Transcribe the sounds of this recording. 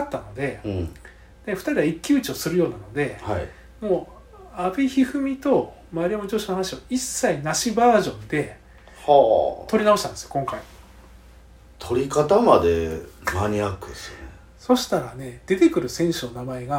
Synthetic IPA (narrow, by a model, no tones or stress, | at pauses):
at̪ːano̞d̪e̞ | d̪eɸɯ̟̥t̪aɾʲiaikʲːiɯ̟t͡ɕio̞sɨɾɯjo̞ːnano̞d̪e̞hai | moː | abiçihɯ̟mʲit̪o̞ | maɾʲiamod͡ʑoːɕinohanaɕioisːainaɕibaːʑõ̞nd̪e̞ | ht̪o̞ɾʲinao̞ɕi̥t̪ãnd̪sɨ̥jo̞kõ̞ŋkai | t̪ʰo̞ɾʲikat̪amad̪e̞maɲ̟iakɯsɨne | so̞ɕi̥t̪aɾane̞d̪̥e̞t̪e̞kɯ̟ɾɯ̟sẽ̞ɰ̃ɕɨno̞namae̞ɡa